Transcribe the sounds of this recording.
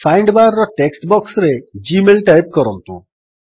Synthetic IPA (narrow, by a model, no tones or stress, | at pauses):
fajɳɖbaɾɾɔʈeksʈbɔksɾed͡ʒimelʈajp̚kɔɾɔnt̪ṵ̃